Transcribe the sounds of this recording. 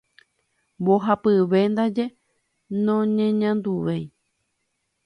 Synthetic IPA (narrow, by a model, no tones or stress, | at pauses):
boɦapɨʋe̞nd̪ad͡ʒe̞ | nõɲẽɲãnd̪uʋej